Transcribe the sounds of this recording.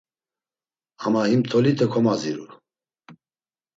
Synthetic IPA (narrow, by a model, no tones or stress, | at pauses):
amahimt̪ʰɔlit̪ʰʼəkʰɔmaziɾu